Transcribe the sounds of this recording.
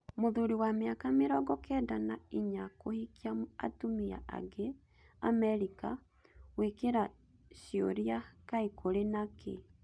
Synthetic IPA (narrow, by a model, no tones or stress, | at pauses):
moðuɾiwameakameɾɔɡɔkɛdanaiɲakohikiaa̰tumia̰ʔa̰ɡe | a̰mɛɾika̰ | wekeɾa | ʃio̰ɾiakaikoɾenakḛ